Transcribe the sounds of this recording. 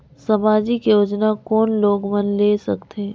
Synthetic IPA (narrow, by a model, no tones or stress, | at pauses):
sɐmaːd͡ʒikejoːd͡ʒnakɔːnloːɡmɐnlesɐkt̪ʰe